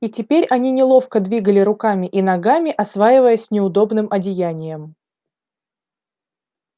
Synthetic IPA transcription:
itʲɪpʲeɾʲɐnʲinʲɪlˠo̞fkəd̪vʲiɡəlʲɪɾʊkamʲɪʔinɐɡamʲɪʔɐsvajɪvəjəsʲnʲɪʊd̪o̞bnɨmɐdʲɪjænʲɪjəm

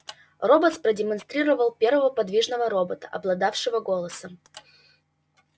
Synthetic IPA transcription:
robət̪spɾədʲɪmɐnst̪ɾʲiɾəvəlˠpʲe̞rvəvəpɐd̪vʲiʐnəvəɾobət̪ə̥ʔɐ̰blˠɐd̪afʂɨvəɡo̞lˠəsəm

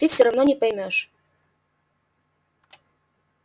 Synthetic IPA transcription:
t̪ɨfsʲoɾɑvnonʲepəjmʲøʃ

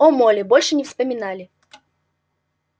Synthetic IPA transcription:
ɔmɔlʲɪbɔlʲʂɨnʲɪfspɐmʲɪnalʲɪ

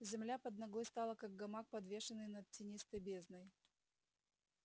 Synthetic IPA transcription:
zʲɪmlʲapəd̪nɐɡˠojst̪ɑlˠəkaɡ̚ɡɐmak̚pɐd̪vʲe̞ʂɨnːɨjnɐt̪̚tʲːɪnʲist̪əjbʲe̞znəj

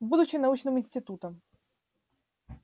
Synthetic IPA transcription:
bud̪ʊt͡ɕɪnɐut͡ɕnɨmɪnʲsʲtʲɪt̪ut̪əm

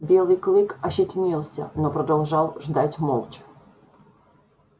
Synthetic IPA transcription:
bʲelˠɨjklˠɪkɐɕɪtʲnʲilˠsʲɐ̰nɔpɾɐd̪ɐlˠʐɑlˠʐd̪atʲmɔlˠt͡ʃ

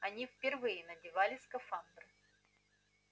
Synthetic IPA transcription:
ɐnʲifpʲɪrvɨjɪnɐdʲɪvalʲɪskɐfand̪ɾɨ

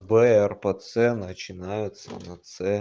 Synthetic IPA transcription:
bɛɛrpət̪sɛnət͡ɕɪnajʊt̪sə̰nɐt̪sɛ

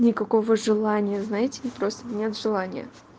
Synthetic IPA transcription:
nʲɪkɐko̞vəʐɨlˠanʲɪjəznajɪtʲɪpɾo̞st̪ənʲe̞t̪ʐɨlˠanʲɪ̰jə̰

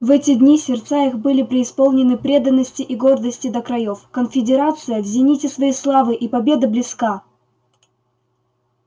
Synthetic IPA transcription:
vɛtʲɪd̪ʲnʲisʲɪrt̪saixbɨlʲɪpɾʲɪːspolˠnʲɪnɨpɾʲe̞d̪ənːəsʲtʲɪʔiɡo̞rd̪əsʲtʲɪd̪əkɾɐjofkənfʲɪdʲɪɾat̪sɨjəvzʲɪnʲitʲɪsvɐjislˠavɨʔipɐbʲe̞d̪ɨblʲɪska

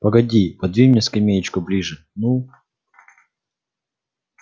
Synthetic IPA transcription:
pɐɡɐdʲipɐd̪vʲimnʲeskɐmʲejɪt͡ɕkʊblʲiʐɨ | nu

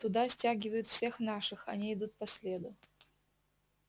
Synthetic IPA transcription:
t̪ʊd̪asʲtʲaɡʲɪvəjʊt̪fsʲe̞xnaʂɨxɐ̰nʲiɪd̪ut̪̚pɐsʲlʲed̪ʊ

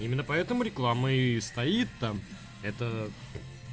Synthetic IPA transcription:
imʲɪnːəpɐɛt̪əmʊɾʲɪklˠamɨst̪ɐit̪ːam | ɛt̪ə

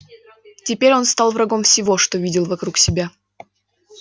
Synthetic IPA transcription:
tʲɪpʲeɾʲo̞nst̪ɑlˠvrɐɡo̞mfsʲɪvo̞ʂt̪o̞vʲidʲɪlˠvɐkɾuksʲɪbʲa

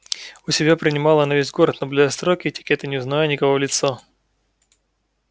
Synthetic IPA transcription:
ʊsʲɪbʲapɾʲɪnʲɪmɑlˠənɐvʲezʲɡo̞ɾət̪nəblʲɪɐst̪ɾokʲɪːtʲɪ̥kʲɛt̪ɨnʲɪʊznɐvajnʲɪkɐvovlʲɪt̪so

